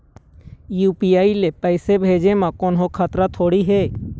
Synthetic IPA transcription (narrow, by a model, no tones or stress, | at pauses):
juːpiːaːilepəɪsebʱeːd͡ʒemãkoːnɦokʰat̪ɾat̪ʰoːɽiɦeː